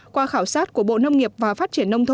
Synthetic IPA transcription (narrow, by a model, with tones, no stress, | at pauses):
kwaː˧xaː˧˩wsaː˦˥t̚ku˧˩əɓo̰˧˨nə˧wŋ͡mŋi˨˩əp̚vaː˨˩faː˦˥t̚t͡ɕi˧˩ənːə˧wŋ͡mt̪ʰ